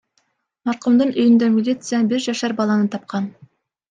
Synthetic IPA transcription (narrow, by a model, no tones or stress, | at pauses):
mɑɾqumd̪ɤɴʔɵ̆jʏ̆nd̪æmʲilʲit̪sɨjabɪɾʒɑʃæɾbɑlˠɑnɤt̪ɑp̚qɑn